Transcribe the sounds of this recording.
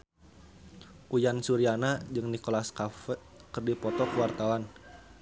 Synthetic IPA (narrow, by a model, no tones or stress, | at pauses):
ʔujansuɾianad͡ʒɨŋnikolaskaf | kərdipɔt̪ɔkəwart̪awan